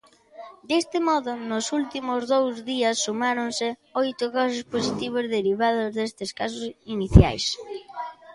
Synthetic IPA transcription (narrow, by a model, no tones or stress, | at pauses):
d̪est̪ɪmɔðʊnʊsult̪imʊzðowzðiɐsːumaɾonsɪojt̪ʊɣas̬ʊsposit̪iβ̞ozðeɾiβ̞að̞ʊzðest̪ɪskas̬ʊsiniθja̰js